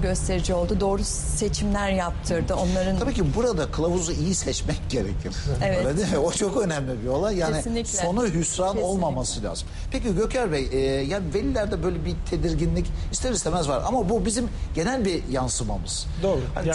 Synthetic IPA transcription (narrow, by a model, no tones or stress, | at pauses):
ɟø̞st̪ʰe̞ɾid͡ʒio̞lˠd̪ud̪o̞ːɾu | se̞t͡ʃʰimlʲæɾjap̚t̪ʰɯɾd̪ɯo̞nˠaɾɯnʰabiːcibuɾad̪akʰɯlˠavuzuijisɛt͡ʃmɛc̚ɟe̞ɾḛcʰiɾ̥evɛd̪ed̪imɪo̞t͡ʃʰo̞kø̞næmlʲibio̞lˠanjaːenɪinlʲiso̞nuɦysɾano̞lˠmamasɯlʲa̰ːzɯm | pʰeciɟø̞cʰæɾbɛjjaːnivelʲilʲæɾd̪ɛbø̞jlʲɛbit̪ʰe̞d̪iɾɟinlʲicist̪ʰeɾist̪ʰʲemɛzva̰ɾʔa̰mabubizimɟe̞nælʲbijansɯmamɯz̥ | oːha̰